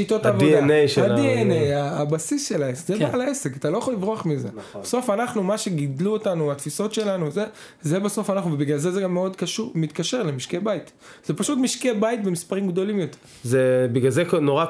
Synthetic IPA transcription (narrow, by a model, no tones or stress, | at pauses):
ʃit̪o̞tavodienejʃeadienejaːbasisʃe̞laesezebaːlaesekat̪alojaχolivʁoaχmize̞̰b̥eso̞fanaχnumaʃe̞ɡid̪luotanuat̪fiso̞tʃe̞lanuze | zebeso̞fanaχnuvebiɡlalzezeɡamːeo̞dkaʃumit̪kaʃeʁlemiʃkebait | z̥epaʃut̪miʃkebajitbe̞mispaʁimɡd̪o̞limjo̞teʁzebiɡalzeknoʁa